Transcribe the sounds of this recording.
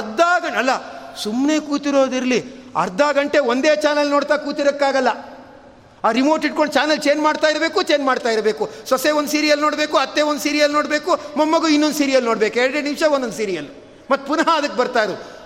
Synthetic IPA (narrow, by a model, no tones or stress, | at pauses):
ɐɾd̪ʱaːɡɐɐlːɐsumne̞ːkuːt̪iɾo̞ːd̪iɾɐliɐ̰ɾd̪ʱaːɡɐɳʈeʋond̪eːt͡ʃaːnɐlnoːɽt̪aːkuːt̪iɾɐkːaːɡɐlːɐ | aːɾimoːʈiʈ̚koɳɖt͡ʃaːnɐlt͡ʃe̞ːnmaːɖt̪aːjiɾbe̞ːkut͡ʃe̞ːnmaːɖt̪aːjiɾbe̞ːkusɐseːond̪siːɾijɐlnoːɽbe̞ːkuɐt̪ːeːond̪usiːɾijɐlnoːɽbe̞ːkumɐmːɐɡuinːond̪siːɾijɐlnoːɽbeːkuɛɾɐɽenimʂɐond̪ond̪siːɾijɐlːu | mɐt̪ːpunɐɦaɐd̪ɐkːebɐɾt̪aːɾu